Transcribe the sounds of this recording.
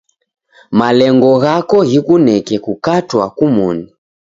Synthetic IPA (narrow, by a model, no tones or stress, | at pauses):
malɛŋɡɔɣakɔɣikunɛkɛkukatwakumuni